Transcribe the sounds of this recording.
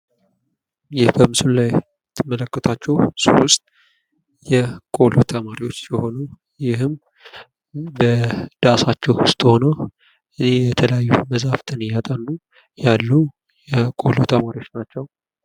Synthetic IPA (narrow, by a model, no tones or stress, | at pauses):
jɪhbəmɨsulaj | t̪ʰɨmːələkːət̪ʰat͡ʃːɛwswʊst̪ʼ | jɛkʼo̞lut̪ʰəmaɾiwo̞t͡ʃːjɛho̞nu | jɪhɨm | bəd̪̥asat͡ʃːɛwʊst̪ʼho̞nəw | ʔɨnejɛt̪ʰələjajːuməzaft̪ʰɨnjat̪ʼənːu | jalːu | jɛkʼo̞lut̪ʰəmaɾiwo̞t͡ʃːnat͡ʃːɛw